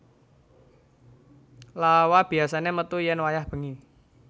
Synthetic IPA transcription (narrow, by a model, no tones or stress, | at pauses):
lawab̥i̤asanemət̪ujɛnwajahb̥ə̤ŋi